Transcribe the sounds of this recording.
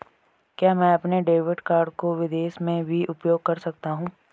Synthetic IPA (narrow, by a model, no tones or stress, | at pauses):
kjaːmɛ̃ːɐpneɖeːʋɪʈkaːɾɖkoʋɪd̪eːʃmẽbʱiʔʊpjoːɡ̚kɐɾsɐk̚t̪aɦũː